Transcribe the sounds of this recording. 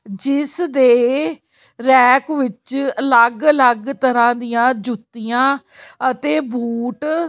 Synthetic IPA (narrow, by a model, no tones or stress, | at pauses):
d͡ʒɪsd̪eː | ɾɛːkʋɪt͡ʃələɡələɡt̪əɾãːd̪ijãːd͡ʒʊt̪ːijãː | ət̪eːbuːʈ